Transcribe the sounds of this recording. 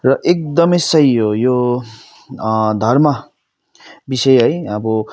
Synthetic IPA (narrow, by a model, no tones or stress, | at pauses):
rʌʔek̚d̪ʌmʌjsʌjojo | d̪ʱʌrmʌ | bisʌjɦʌjʌbʌ